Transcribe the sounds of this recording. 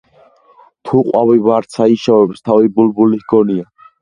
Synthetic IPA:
t̪ʰuqʼwavivaɾt̪sʰaiʃavɛbst̪ʰavibulbulihɡɔnia

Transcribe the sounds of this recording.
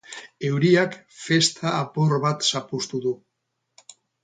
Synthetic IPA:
ewɾiak | fest̪ʰaːpoɾβat̪sapust̪uðu

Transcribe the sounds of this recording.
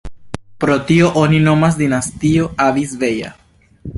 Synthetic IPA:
pɾot̪ioʔoninomasd̪inast̪ioaβisveja̰

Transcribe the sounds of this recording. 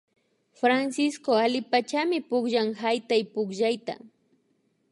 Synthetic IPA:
fɾansɪskoalɪpat͡ʃamɪpʊkʒaŋhajt̪ajpʊkʒajt̪a̰

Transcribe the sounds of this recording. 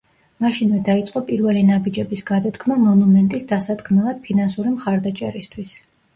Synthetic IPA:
maʃinvɛd̪ait̪sʼqʼɔpʼiɾvɛlinabid͡ʒɛbisɡad̪ad̪ɡʰmamɔnumɛnt̪ʼisd̪asad̪kʰmɛlˠad̪̥̚pʰinansuɾimχaɾd̪at͡ʃʼɛ̰ɾist̪ʰwis

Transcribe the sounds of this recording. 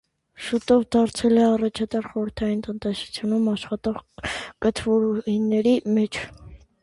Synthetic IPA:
ʃut̪ɔvd̪ɑɾt͡sʰɛlɛɑrɑt͡ʃʰɑt̪ɑɾχɔɾəɾt̪ʰɑjint̪ənt̪ɛsu̥t͡sʰjunumɑʃχɑt̪ɔʁkət̪ʰvɔɾuinːɛɾimɛt͡ʃʰ

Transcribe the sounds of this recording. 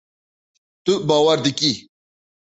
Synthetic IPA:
t̪ubaːwɐɾd̪iki

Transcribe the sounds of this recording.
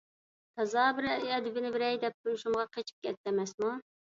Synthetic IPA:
t̪ʰɑzɑːbɪɾɛd̪ɪbɪnɪbɪɾɛjd̪ɛp̚t̪ulˠuʃumʁɑqʰet͡ʃʰi̥p̚kʲɛt̪ːɛmɛsmu

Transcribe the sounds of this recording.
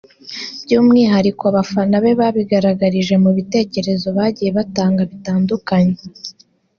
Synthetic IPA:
b̥ɟuːmŋiːɦaɾikoaβafanaβe̞βaβiɡaɾaɡaɾiʒe̞muβite̞ːce̞ɾe̞zo̞βaːɟije̞βataːŋɡaβitaːndukaɲe

